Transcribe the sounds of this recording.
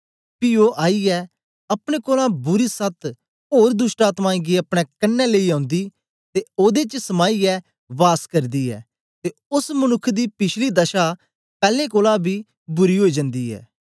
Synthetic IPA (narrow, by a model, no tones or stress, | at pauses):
piːoːʔaːiːɛː | əpɽ̃ẽːkoːlãːbʊɾiːsət̪ʰ | oːɾd̪ʊsʈaːt̪mãːiɡiəpɽ̃ɛ̃ːkənːɛːleiːãːʊnd̪iː | t̪eːoːd̪eːt͡ʃsəmaːiːɛː | ʋaːskəɾd̪iːɛ̰ː | t̪eːʊsmənʊkʰːd̪iːpɪt͡ʃʰliːd̪əʃaː | pɛːlẽːkoːlãːbʱiː | bʊɾiːɦoːiːd͡ʒə̃nd̪iːɛ̰ː